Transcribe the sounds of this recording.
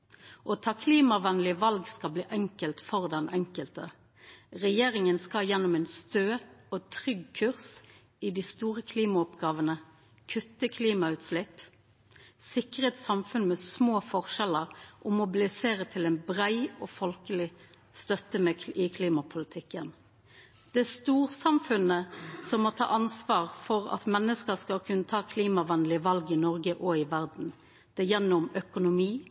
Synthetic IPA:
ʔɔt̪ʰɑkʰliːmɑʋɛnlɪʋɑlɡskɑlblḭːʔɛŋkəlt̪fɔʁd̪ɛnʔɛŋkəlt̪ə | ʁɛjeːʁɪŋənskɑjɛnːʊmɛːnst̪øːɔt̪ʰʁʏɡkʰʉʁs | ɪd̪ɪːst̪uːʁəkʰliːmɑʊpɡɑːʋənə | kʰʉt̪ːəkʰliːmɑʉːt̪slɪp | sɪkəʁeːt̪sɑmfʉnmɛsmoːfɔʁʃɛləʁʔɔmʊbɪlɪseːɾət̪ʰɪlɛɪnbʁæɪɔːfɔlkəlɪ | st̪œt̪əmɛɪkʰliːmɑpʰʊlɪt̪ʰɪkːən | d̪̥ɛæst̪uːʁsɑmfʉnəsɔmːɔt̪ʰɑ̰ːʔɑnsʋɑːʁfɔʁɑ̰t̪mɛnːəskəskɑlkʰʉnːət̪ʰɑːkʰliːmɑʋɑnd̪l̩ɪʋɑlɡəɪnɔʁɡəʔɔɪʋæʁd̪n̩ | d̪̥ɛjɛnːʊmœkʊnʊmiː

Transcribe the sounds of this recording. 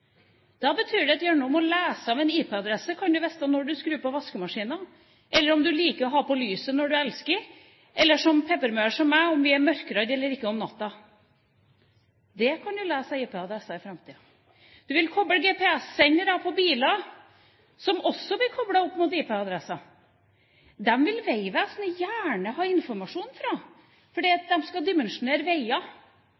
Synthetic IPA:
d̪̥ɑbət̪ʰyːɖɛt̪jœːɳuɔmɔlæːsəɑʋɛniːpɛɑd̪ɾɛsːəkʰɑnd̪ʉʋɛst̪ɑnɔɖʉskɾʉːpʰɔʋɑskəmɑʂiːnɑ | ʔɛlːəɾɔmd̪ʉliːkəɾɔɦɑpɔlyːsənɔɖʉɛlskəɾ | ʔɛlːəʂɔmpʰɛpəɾmœʂɔmːæɔmʋɪæɾmœɾkəɾɑd̪ɛlːəɾɪkːəɔmnɑt̪ːɑ | d̪ɛkʰɑnjʊlæːsɑeːpʰɛɑd̪ɾɛsːɑɪfɾɑmt̪ʰiːɑ | d̪̥ʉʋɪlkʰɔbləɡeːpʰɛɛsːɛɲːəɖ̪ɑpʰɔbiːlɑ | sɔmɔsːɔblɪkʰɔblɑʊpːmʊt̪ɪːpɛɑd̪ɾɛsːɑ | d̪ɛmʋɪlʋeɪʋæːsnəjæːɳəhɑːɪnfɔɾmɑʂuːnfɾɑ | fɔɖiːɑt̪̚d̪ɛmskɑd̪ɪmɛnʂʊneːɾəʋeɪɑ

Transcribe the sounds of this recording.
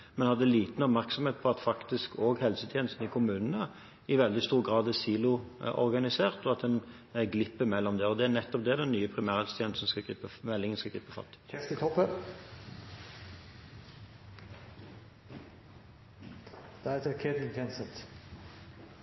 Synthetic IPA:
mɛnhɑd̪ːəliːt̪n̩ɔbmæʁksɔmheːt̪̚pʰɔɑt̪fɑkt̪ɪskʰoːɡhɛlsət̪ʰjeːnəst̪n̩ɪkʰʊmʉːnənə | ɪʋɛld̪ɪst̪uːɾɡʁɑːd̪ɛsiːlʊʔɔ̰ʁɡɑnɪseːʁt̪ɔɑt̪̚d̪ɛn | ɡlɪpːəmɛlːɔmd̪ɛɔd̪ɛænɛt̪ːɔp̚d̪ɛæd̪ɛnnyːəpʰɾɪmæːɾʁɛlst̪ʰjɛːnsn̩skɑɪəmɛlːɪŋənskɑɡlɪpːəfɑ̰t̪ːsət̪ʰɔpːə | d̪̥ɛɛt̪əkʰeːd̪ɪnt̪ʰɛnsɛt̪

